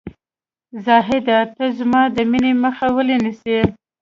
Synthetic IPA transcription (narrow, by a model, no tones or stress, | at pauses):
zɑɦɪd̪at̪əzmɑd̪əmineməxawəlenise